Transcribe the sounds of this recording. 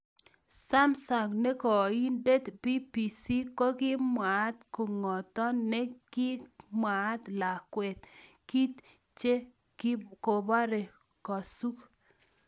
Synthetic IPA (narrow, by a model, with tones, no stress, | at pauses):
sa˦msa˨ŋne˦kɔ˨i˦nde˦t̪pi˦pi˨si˦ko˦kɪ˦mwa˨˦t̪ku˨ŋɔ˨t̪ɔ˦nːe˦kɪ˦mwa˨˦t̪la˨kwɛ˨t̪ | ki˦t̪ | t͡ʃe˦ | ko˨ba˦ɾe˨ | kɔ˨su˦k